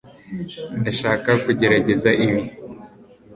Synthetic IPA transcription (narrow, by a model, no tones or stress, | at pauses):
ndaʃaːkakuɟe̞ɾaɟe̞zaʔiβi